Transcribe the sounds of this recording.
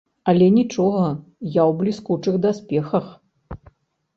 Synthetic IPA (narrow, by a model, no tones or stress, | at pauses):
ɐlʲɛnʲit͡ʂɔɣɐjawblʲiskut͡ʂɨxd̪asʲpʲɛxɐx